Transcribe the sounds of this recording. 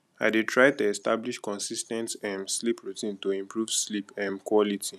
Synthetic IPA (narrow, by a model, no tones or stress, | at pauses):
a̰ɪdetʰɹaɪtuɛstabliʃkɔ̃nsistɛ̃ntɛmslipʰɹutʰĩntuĩmpʰɹuv̥slipɛ̃mkwɔlitʰi